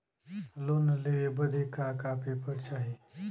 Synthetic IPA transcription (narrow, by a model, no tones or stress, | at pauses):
loːnleebɐd̪ʱekːaːkaːpʰipɐɾt͡ʃaːɦie